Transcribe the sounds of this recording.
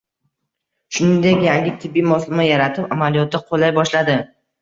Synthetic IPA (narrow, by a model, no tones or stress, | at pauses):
ʃʊnɪnd̪e̞kʲjaŋʲɪt̪ʰɪbːijmɒslˠɪmajaɾat̪ʰɪpamalijɒt̪̚d̪aqʰolajbɒʃlad̪ɪ